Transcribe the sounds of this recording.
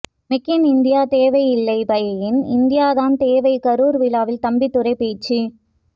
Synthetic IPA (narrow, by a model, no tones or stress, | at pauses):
mɪkːɪnɪnd̪ɪjaːt̪eːʋɐɪɪlːɐɪbɐjɐjɪnɪnd̪ɪjaːðaːnt̪eːʋɐɪkɐɾuːɾʋɪlaːʋɪlt̪ɐmbɪt̪ːʊɾɐɪpeːt͡ʃːi